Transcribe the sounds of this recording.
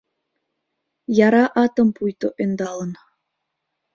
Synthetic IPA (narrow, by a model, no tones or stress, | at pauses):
jɑɾɑʔɑt̪ɤ̆mpujt̪oʔend̪ɑlˠɤ̆n